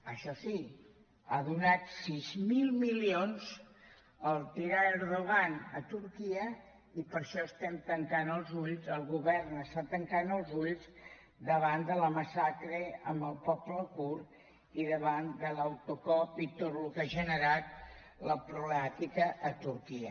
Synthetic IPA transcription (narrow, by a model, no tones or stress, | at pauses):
əʃɔsi | aðunat̪sizmilˠmilionz | əlˠt̪iɾaeɾðuɣanət̪uɾkiə | ipəɾʃɔəst̪ɛmt̪əŋkanəlˠzuʎzəlˠɣuβɛɾnəst̪at̪əŋkanəlˠzuʎz | d̪əβand̪ələməsakɾəəmbəlˠpɔpləkuɾ | iðəβand̪ələwt̪ukɔpit̪ot̪lukaʒənəɾat̪̚ | ləpɾuβləmat̪ikəʔːt̪uɾkiə̰